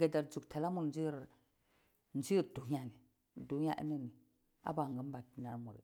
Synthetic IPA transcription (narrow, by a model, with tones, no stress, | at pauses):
ɡa˨da˨ɾd͡zu˨ɡtʰa˨la˦mu˨ɾn˦d͡ʒi˦ɾ | n˦d͡ʒi˦ɾdu˨˦a˦ni˨ | du˨˦a̰˦ʔḭ˦nə˦ni˨ | a̰˦ba˨ŋɡə˦m˦ba˨ki˨na˦ɾmu˨ɾḭ˨